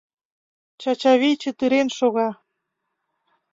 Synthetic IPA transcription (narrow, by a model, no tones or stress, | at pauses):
t͡ɕɑt͡ɕɑβijt͡ɕə̆t̪yɾenʃoɣɑ